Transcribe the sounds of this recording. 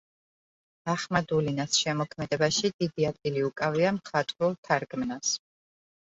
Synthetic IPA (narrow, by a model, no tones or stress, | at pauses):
d̪̥aχmad̪ulinasʃɛmɔkʰmɛd̪ɛbaʃid̪̥id̪iad̪̚ɡiliukʼaviamχat̪ʼɾulˠt̪ʰaɾɡmnas